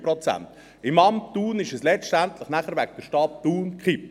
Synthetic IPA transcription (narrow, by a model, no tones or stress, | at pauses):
pɾot͡sæ̰nt̪ | ɪmɑmtuːnɪʃɛslɛt͡stæntləχnæχəɾvækd̥əɾʃtɑːp̚d̥uːnkχɪp